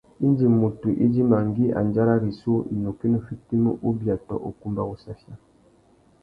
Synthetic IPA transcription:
i˦nd͡ʒi˨mo˨tu˨ʔi˦d͡ʒi˦ma˨ŋɡi˦ʔa̰˨nd͡ʒa˦ɾa˦ɾi˨so˦ḭ˨no˨ke˦nə˦fi˦ti˦mṵ˦ʔu˦bja˨tɔ̰˨ʔo̰˨ku˦mba˦ɣu˦sa˦fja˦

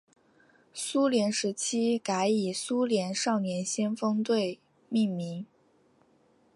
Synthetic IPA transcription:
su˥ljɛ˧˥nʂɻ̩˧˥t͡ɕʰi˥ka˧˥ɪi˨˩su˥ljɛ˧˥nʂɑ˥˩ʊnjɛ˧˥nɕjɛ˥nfɤ˥ŋt̪we˥˧ɪ | mi˥˩ŋmi˧˥ŋ

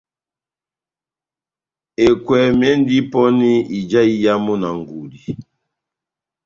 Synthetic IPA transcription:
e˨kwɛ˨mɛ˦n˦di˦pɔ˦ni˦i˨d͡ʒa˦i˦ja˦mɔ˦na˨ŋ˨ɡu˨di˨

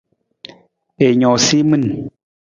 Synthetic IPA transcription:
e˨ɲɔ˨si˦mɨ˦˨n

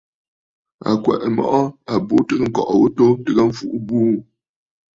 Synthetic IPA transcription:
a̰˨kwɛ̰˨ʔɛ˨mɔ̰˦ʔɔ˦a˨bo˦tɨ˦kə˦ŋ̩˨kɔ˨ʔwo˦to˦tɨ˦ɣa˦ɱ̩˦fu˦ʔu˦buː˦

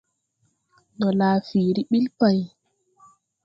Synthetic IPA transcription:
dɔ˨laː˨fiː˨ɾi˦ɓi˦lpa˨j

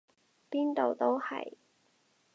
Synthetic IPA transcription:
piː˥nt̪o˨˧wt̪o˥whɐ̰˨˩j

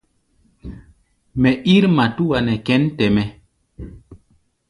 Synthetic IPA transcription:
mɛ˨ʔi˦ɾma˨tu˦wa˨nɛ˨kɛ˦ntɛ˨mɛ˨

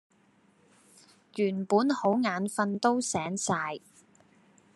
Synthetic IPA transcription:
jyː˨˩npuː˨˥nho˨˥wŋaː˨˥nfɐ˧nt̪o˥wsɛː˨˥ŋsaː˧j

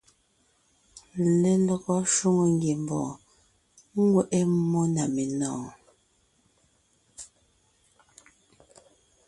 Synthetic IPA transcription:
le˦lə˨ɣɔ˦ʃu˦ŋo˨ŋ˦ɡje˨m˨bɔ̰ː˨ | ŋ̩˦ɡwɛ˦ʔe˦mɔ˦na˨me˨nɔ̃ː˨

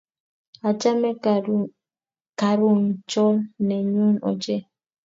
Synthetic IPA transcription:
a˨t͡ʃa˦mɛ˦ | ka˨ɾu˦˨n˨t͡ʃɔ˦lnɛ˨ɲo˦nɔ̰˨d͡ʒɛ˦

